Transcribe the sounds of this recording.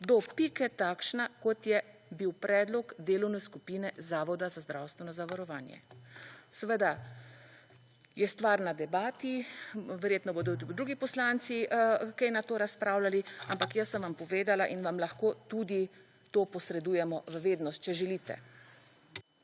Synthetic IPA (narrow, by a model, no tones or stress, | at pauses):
d̪ɔpikɛt̪aːkʃnakɔt̪jɛbiwpɾɛːd̪lɔɡd̪eːlɔwnɛskupiːnɛzaːʋɔd̪azazd̪ɾawst̪ʋɛnɔzaʋaɾɔʋaːnjɛ̰sɛʋəd̪a | jɛst̪ʋaːɾnad̪ɛbaːt̪iʋɛɾjeːt̪nɔboːd̪ɔd̪ɾuːɡipɔslaːnt̪sikɛjnat̪oːɾaspɾaːwlaliampakjəsːəmʋampɔʋeːd̪alaʔinʋamlaxkoːt̪ud̪i | t̪oːpɔsɾɛd̪uːjɛmɔʋəʋeːd̪nɔst̪̚t͡ʃɛʒɛliːt̪ɛ̰